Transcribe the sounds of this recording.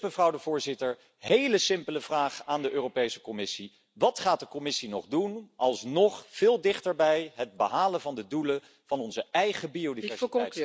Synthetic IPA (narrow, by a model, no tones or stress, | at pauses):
məvrɑwdəvʊːɹzɪtəɹ | ɦejləsɪmpələvraːχaːndəʔøːropejsə̥kɔmɪsi | ʋɑtχaːt̚dəkɔmɪsinɔχdunʔɑlˠsnɔχv̥ɪːlˠdɪχtəɹbɛjɦəd̚bəɦaːlənvɑndədulə | v̥ɑnɔnzəɛjχəbiowdivɛɹsɛj